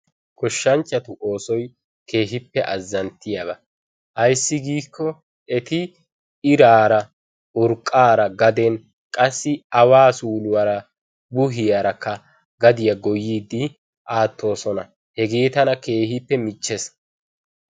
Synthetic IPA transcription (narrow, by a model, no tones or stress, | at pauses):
kɔʃːɐnt͡ʃːɐt̪ʊʔo̞ːsɔj | kʰe̞ːɦɪpːɛʔɐzːɐnt̪ːɪjabɐ | ʔɐjsːɪɡiːkʰːɔ | ɛt̪ɪ | ɪɾaːɾɐ | ʊɾkʼːaːɾɐɡɐd̪ɛn | kʼɐsːɪɐwaːsuːlʊwaɾɐ | bʊɦɪjaɾɐkːɐ | ɡɐd̪ɪjɐɡɔjːiːd̪ːɪ | ʔaːt̪ːo̞ːsɔnɐ | hɛɡeːt̪ɐnɐke̞ːhɪpːɛmɪt͡ʃːɛs